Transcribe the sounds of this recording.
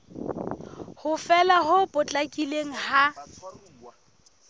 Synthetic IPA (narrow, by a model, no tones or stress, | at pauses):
hʊfɛlaɦʊpʼʊt͡ɬʼakʼileŋ̩ha